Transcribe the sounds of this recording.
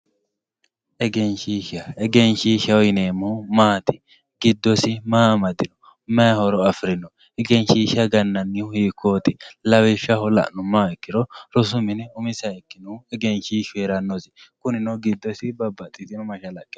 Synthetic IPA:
ʔɛɡɛnʃiʃɐɛɡɛnʃiːʃɐɔjneːmʊmaːt̪ɪ | ɡɪd̪ːɔsɪmaːmɐd̪ɪnɔ | mɐhɔɾɔɐfɾɪnɔ | ɛɡɛnʃiːʃɐɡɐnːɐnːɪʊhiːkːoːt̪ɪlɐwɪʃɐhɔlɐ̰ʔnʊmːaːɛkːɪɾɔɾɔs̬ʊmɪnɛʊmɪsɐɛkːɪnɔɛɡɛnʃiːʃeːɾɐnːɔsɪ̥kʊnɪnɔɡɪd̪ːɔsɪbɐbːɐt̪ʼːɪt̪ɪnɔmɐʃɐlɐkʼːɪ̥

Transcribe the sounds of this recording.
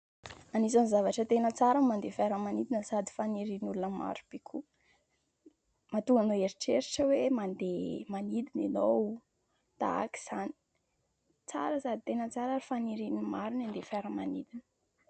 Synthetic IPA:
anisanzavaʈ͡ʂət̪enət͡saɾəmand̪efaɾəmanid̪inəsad̪i̥faniɾinulunəma̰ɾub̥ikʰu | mat̪uŋanoeɾiʈ͡ʂeɾiʈ͡ʂəwemand̪emanid̪inino | t̪a̰a̰ki̥z̥ani̥ | t͡saɾəsad̪it̪enət͡saɾaɾifaniɾinimaɾunand̪efaɾəmanid̪inə̥

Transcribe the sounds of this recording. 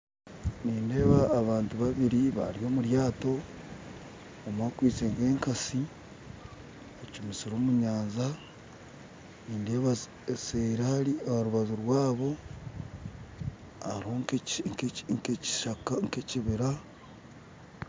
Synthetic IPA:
niːnde̞ːβaːβaːntuβaβiɾiβa̰ɾijo̞ːmuɾjaːto̞ | mwaːkwiːt͡seːŋɡe̞ːŋkasi | et͡ʃimisiɾoːmuɲaːnza | niːndeːβa | seɾahaɾiɾuβazoɾwaːβo̞ | a̰ɾiho̞ŋkkŋkeci̥ʃakaŋkeciβiɾa

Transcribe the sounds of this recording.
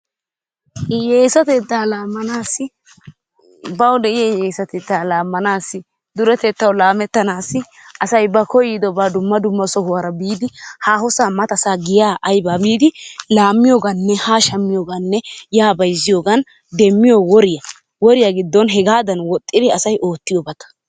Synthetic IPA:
jeːsɐt̪ɛt̪ːaːlaːmːɐnaːsːɪ | bɐwd̪ɛɪjajeːsɐt̪eːt̪ːaːlaːmːɐnaːsːɪ | d̪ʊɾɛt̪ɛːt̪ːɐwlaːmɛt̪ːɐnaːsːɪ | ɐsɐjbɐkɔjɪd̪ɔbad̪ʊmːɐd̪ʊmːɐsɔɦʊwɐɾɐbiːd̪ɪhaːhɔsaːmɐt̪ɐsaːɡɪjaːʔɐjbaːbiːd̪ɪlaːmːɪjoːɡɐnːɛhaːʃɐmːɪjoːɡɐnːɛjaːbɐjzɪjoːɡɐn | d̪ɛmːɪjowɔɾɪjɐ | wɔɾɪjɐɡɪd̪ːɔnɦɛɡaːd̪ɐnwɔt̪ʼːɪd̪ɪɐsɐjʔo̞ːt̪ːɪjoːbɐt̪ɐ̥

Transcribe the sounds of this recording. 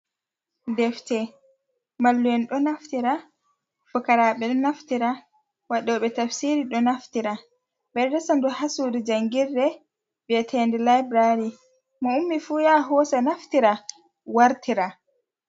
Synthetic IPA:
dɛftɛ | malːujɛnɗɔnaftiɾa | fɔkaɾaɓɛɗɔnaftiɾa | waɗɔɓɛtafsiɾiɗɔnaftiɾa | bɛdɛsandɔhasudid͡ʒaŋɡiɾːɛ | bɛtʰɛndɛlajbɾaɾi | mɔumːifuːjaɦɔsɛnaftiɾa | waɾtiɾa

